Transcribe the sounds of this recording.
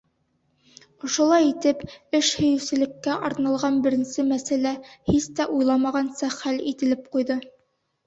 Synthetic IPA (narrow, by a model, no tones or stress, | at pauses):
ŏʃŏlˠɑjit̪ɘpɘʃhɵ̆jɘ̆sɘ̆lɘ̆kːæʔɒɾnɑlˠʁɑnbɘ̆ɾɘ̆nsɘmæsælæhist̪æʔujlˠɑmɑʁɑnsɑχælḭt̪ɘ̆lɘp̚qujðɤ